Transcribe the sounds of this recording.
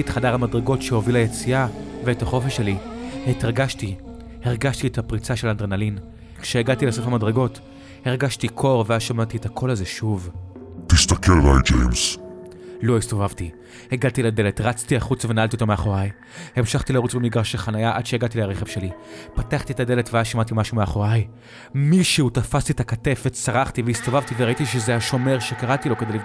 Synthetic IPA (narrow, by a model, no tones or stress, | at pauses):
ietχadaʁhamadʁeɡo̞tʃeho̞vilajet͡siaveethaχo̞feʃelihetʁɡaʃti | heʁɡaʃtiethapʁit͡saʃe̞landʁenalin | kʃeːɡadtilasofamadʁeɡo̞t | heʁɡaʃtikʰo̞ʁveazʃamatiethakʰo̞laze̞ʃuvtist̪akelva̰jtd͡ʒḛjms | lo̞ist̪o̞vavti | eɡad̚t̪ilade̞letʁat͡stiaχut͡svenaʔaltiotomeaχo̞ʁaj | he̞mʃaχt̪ilaʁut͡somiɡʁaʃelχanajaʔadʃeeɡat̪ileaʁeχe̞vʃe̞lipataχt̪ietade̞le̞tveazʃamat̪̬imaʃumeaχo̞ʁaj | miʃeutafastietakate̞fetsaʁaχtiveist̪o̞vavtiveʁaitiʃezeaʃo̞me̞ʁʃekaʁatilo̞ked̪ejli